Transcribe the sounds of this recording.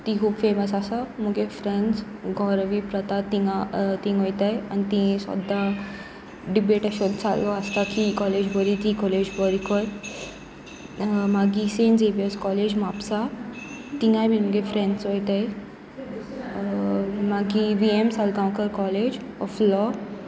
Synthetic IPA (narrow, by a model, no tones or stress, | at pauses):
t̪ikʰuːbfeməsasaməɡefɾeɳɖsɡʱɔɾʋipɾət̪at̪iŋat̪ĩŋɦojt̪aja̰nit̪ĩẽsə̰d̪a | ɖibeʈəɕott͡sa̰lːɔəst̪akikɔled͡ʑbʱəɾit̪ikɔled͡ʑbəɾikʰəɾ | maɡisend͡zeʋijəskɔled͡ʑmapsa | t̪iŋɡajbʱinməɡefɾẽɳɖsɦojt̪aj | maɡiʋiemsalkãwkəɾkɔled͡ʑɔflɔ